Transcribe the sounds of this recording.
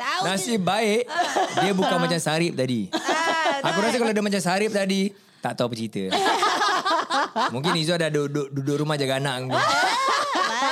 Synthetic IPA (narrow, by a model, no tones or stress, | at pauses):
nasɪhbaɪʔdiəbukaŋmat͡ʃamsaɾɪp̚t̪adi | akuɾas̬əkaloadəmat͡ʃamsaɾɪp̚t̪adi | t̪aʔt̪aupət͡ʃɾit̪ə̰ | muŋkɪnisoadahdoʔdoʔdudʊʔɾumahd͡ʒaɡanaʔŋi